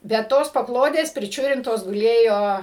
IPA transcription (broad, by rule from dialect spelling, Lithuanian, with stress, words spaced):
bʲɛt ˈtoːs pɐˈklˠoːdʲeːs pʲrʲɪˈt͡ʃʲʊrʲɪntoːs ɡʊˈlʲeːjoː